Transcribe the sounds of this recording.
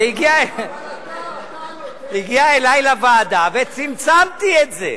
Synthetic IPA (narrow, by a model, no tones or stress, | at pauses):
iɡia | iɡiaelajlavaːd̪avet͡simt͡samt̪ietzḛ